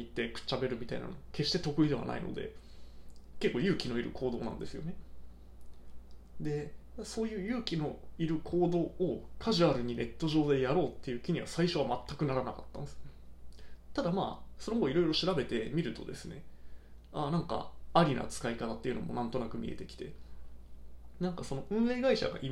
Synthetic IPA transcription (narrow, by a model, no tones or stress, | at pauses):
it̪ːe̞kɯ̟̥t͡ɕːabe̞ɾɯ̟mʲit̪aina̰noke̞ɕi̥t̪e̞t̪o̞kɯ̟id̪e̞a̰na̰ḭno̞̰d̪e̞̰ | ke̞kːoːjɯ̟ːkʲino̞iɾɯ̟̰kʰo̞ːd̪o̞ːnã̰nd̪e̞sɨjo̞ne̞ | d̪e̞so̞ːjɯ̟ːjɯ̟ːkʲino̞iɾɯ̟kʰo̞ːd̪o̞ːokʰaʑɯaɾɯ̟ɲ̟ine̞t̪ːo̞ʑo̞ːd̪e̞jaɾo̞ːt̪ːe̞jɯ̟ːkʲiɲ̟iβa̰saiɕo̞β̞amat̪ːakɯ̟naɾanakat̪ːãnd̪es | t̪ad̪ama̰ːso̞noooiɾo̞iɾo̞ɕiɾabe̞t̪e̞mʲiɾɯ̟t̪o̞̰d̪e̞sɨne̞̰ | anãŋka̰aɾʲinʔa̰t͡sɨ̥kaikat̪at̪ːe̞jɯ̟no̞̰mo̞̰nãnt̪o̞nakɯ̟mʲḭe̞̰t̪e̞kʲi̥t̪e̞̰ | nãŋkaso̞no̞ʔɯ̟̃ɰe̞ːɡaiɕa̰ɡa̰ʔi